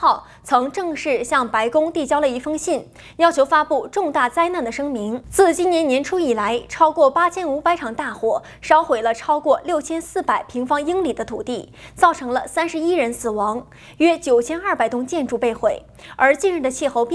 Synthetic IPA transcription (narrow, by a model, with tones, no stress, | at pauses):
ɑ˥˩ʊ | t͡sʰɤ˧˥ŋʈ͡ʂɤ˥˧ŋʂɻ̩˥˧ɕjɑ˥˩ŋpa˧˥ɪkʊ˥ŋt̪i˥˩t͡ɕjɑ˥ʊlə˨˩i˧˥˩fɤ˥ŋɕi˥˩n | jɑ˥ʊt͡ɕʰjo˧˥ʊfa˥pu˥˧ʈ͡ʂʊ˥˧ŋt̪a˥˩t͡sa˥ɪna˥˩nd̪ə˩ʂɤ˥ŋmi˧˥ŋt͡sʰɹ̩˥˩t͡ɕi˥njɛ˧˥njɛ˧˥nʈ͡ʂʰu˥i˨˩la˧˥ɪʈ͡ʂʰɑ˥ʊkwɔ˥˩pa˥t͡ɕʰjɛ˥nu˧˥pa˧˥ɪʈ͡ʂʰɑ˨˩ŋt̪a˥˩xwɔ˨˩ | ʂɑ˥ʊxwe˨˩ɪlə˦ʈ͡ʂʰɑ˥ʊkwɔ˥˧ljo˥˩ʊt͡ɕʰjɛ˥nsɹ̩˥˩pa˨˩ɪpʰi˧˥ŋfɑ˥ŋi˥ŋli˨˩d̪ə˦t̪ʰu˨˩t̪i˥˩t͡sɑ˥˩ʊʈ͡ʂʰɤ˧˥ŋlə˧sa˥nʂɻ̩˧˥i˥ɻə˧˥nsɹ̩˨˩wɑ˧˥ŋ | ɥɛ˥t͡ɕjo˨˩ʊt͡ɕʰjɛ˥nɐ˞˥˩pa˨˩ɪt̪ʊ˥ŋt͡ɕjɛ˥˧nʈ͡ʂu˥˩pe˥˩ɪxwe˨˩ɪ | ə˞˧˥t͡ɕi˥˧nɻ̩˥˩d̪ə˩t͡ɕʰi˥˧˩xo˥˧ʊp